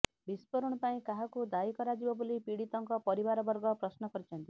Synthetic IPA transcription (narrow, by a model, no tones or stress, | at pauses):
bispɔɾɔɽ̃ɔpaĩkaɦakud̪aikɔɾad͡ʒibɔbolipiɽit̪ɔŋkɔpɔɾibaɾɔbɔɾɡɔpɾɔsnɔkɔɾit͡ʃʰɔnt̪i